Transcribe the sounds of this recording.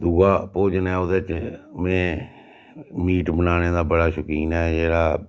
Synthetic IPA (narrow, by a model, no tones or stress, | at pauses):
d̪uːɡaːpoːd͡ʒnɛːʊd̪et͡ʃmẽː | miːʈbənaːneːd̪aːbəɽaːʃʊkiːnɛːd͡ʒeːɽaː